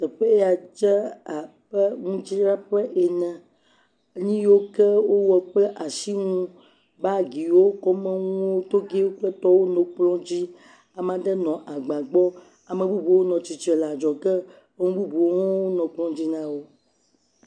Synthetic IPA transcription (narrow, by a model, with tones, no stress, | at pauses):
t̪ɛ˨ɸe˦e˦a˨d͡ʒɛ˦a˨ | ɸɛ˦ŋũ˦t͡ʃi˦ɾa˦ɸɛ˦ʔe˨nɛ̃˨˦ | ɲĩ˦jo˦kɛ˦wo˦wɔ˨k͡plɛ˦ʔa˨ʃi˦ŋũ˦ | ba˦ɡi˨wo˦kɔ˦mɛ̃˦ŋũ˦o˦t̪o˦ɡe˦wo˦k͡plɛ˦t̪ɔ˦wo˦nõ˨k͡plɔ̃˦d͡ʑi˦ | a˨m˦ã˨dɛ˦nɔ̃˨ʔa˨ɡ͡bã˨ɡ͡bɔ˦ | a˨mẽ˨bu˦bu˨wo˦nɔ̃˨t͡ʃi˨t͡ʃɛ˨la˨d͡ʒɔ˨kɛ˦ | ŋũ˦bu˦bu˨o˦ŋɔ̃˦wo˦nɔ̃˨k͡plɔ̃˦d͡ʑi˦nã˦wo˦